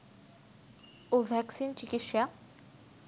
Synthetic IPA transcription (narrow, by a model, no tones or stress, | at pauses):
ovʱɛksint͡ɕikitʃa